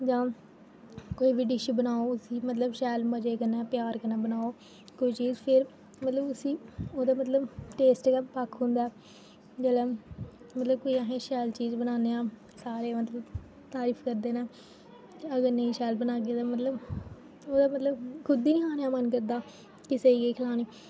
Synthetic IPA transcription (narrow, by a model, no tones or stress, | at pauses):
d͡ʒãː | koːiːʋɪɖɪʃəbənaːoːʊsĩːmət̪ləbʃɛːlməd͡ʒeːkənɛːpjaːɾkənãːbənaːoː | koiːt͡ʃiːd͡ʒpʰɪɾ | mət̪ləbʊsĩːoːd̪aːmət̪ləbʈeːsʈɡɛpakʰɦʊ̃nd̪aːɛː | d͡ʒeːlɛː | mət̪ləb̚koːiːaɦẽːʃɛːlt͡ʃiːzbənaːneːaː | saːɾeːmət̪ləb | t̪aːɾiːpʰkəɾd̪eːneː | əɡəɾnəĩːʃɛːlbənaːɡjeːt̪aːmət̪ləb | oːd̪aːmət̪ləbkʰʊd̪iːnĩːaːneaːmənkəɾd̪aː | kɪseiːɡeːkʰəlaːniː